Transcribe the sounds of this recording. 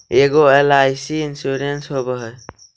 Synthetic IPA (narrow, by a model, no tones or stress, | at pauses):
eɡoelajsiinsuɾensɦobəɦəj